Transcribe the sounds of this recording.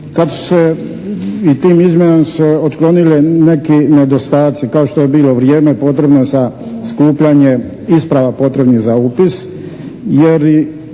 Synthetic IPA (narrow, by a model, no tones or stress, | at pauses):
kad̪su̥se | it̪iːmizmjenamseot̪klˠo̞nilene̞kined̪o̞st̪aːt̪sikao̞ʃt̪oje̞biːlo̞ʋɾjeːme̞po̞t̪ɾe̞bnoza | skuːpʎaɲe | ispɾaʋapo̞t̪ɾe̞bniɣzaupis | jeɾ